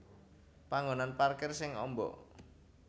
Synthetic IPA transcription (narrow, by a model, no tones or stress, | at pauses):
paŋɡonanparkɛrsɪŋɔ̰mbɔ̰ʔ